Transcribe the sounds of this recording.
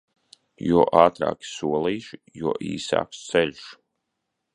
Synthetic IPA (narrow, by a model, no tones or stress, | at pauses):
juɔʔaːt̪ɾa̰ːkʲi̥suɔlˠiːʃijuɔʔḭːsa̰ːkst̪sɛlʲʃ